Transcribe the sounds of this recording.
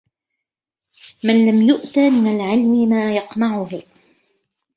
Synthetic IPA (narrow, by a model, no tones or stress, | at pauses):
manlamjʊʔt̪aːmɪnalʕɪlmɪmaːjɑqnɑʕʊh